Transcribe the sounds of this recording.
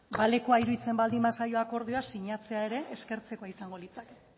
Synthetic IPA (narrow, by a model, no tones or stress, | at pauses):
bale̞ko̞ajɾuit͡se̞mbald̪imbasajo̞ako̞ɾðioasiɲat͡se̞ae̞ɾe̞ʔeske̞ɾt͡se̞koaisaŋɡo̞lit͡sake̥